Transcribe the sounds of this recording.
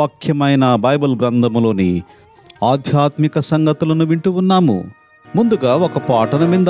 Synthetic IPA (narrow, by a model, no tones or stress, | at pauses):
ɐkʰjɐmɐjnɐbɐjbɐlɡɾɐnd̪ʱɐmlo̞ːnḭ | aːd̪ʱjaːt̪mikɐsɐŋɡɐt̪ulɐnuʋiɳʈuunːaːmṵ | mund̪uɡaːɔkɐpaːʈɐnɐmind̪ɐ